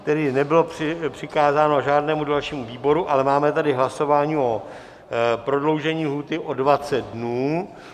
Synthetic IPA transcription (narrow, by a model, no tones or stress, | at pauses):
t̪ɛdɪnɛbɪlo̞prɪpr̥ɪkaːzaːno̞ʒaːdnɛːmudalʃiːmuviːbo̞ɾuʔalɛmaːmɛt̪adɪɦlaso̞vaːɲiːʔo | pɾo̞dlo̞wʒɛɲiːlɦuːt̪ɪʔo̞dvat͡sɛt̪̚dnuː